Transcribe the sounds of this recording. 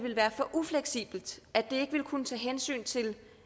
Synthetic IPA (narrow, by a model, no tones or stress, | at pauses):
ʋe̝lʋæːɐfɒ̽ʔufleɡ̥sḭːb̥l̩d̥æd̥e̝e̝ɡ̥əʋe̝lkʰunət͡sʰɛ̰ːɦensy̰ːnt͡sʰe̝l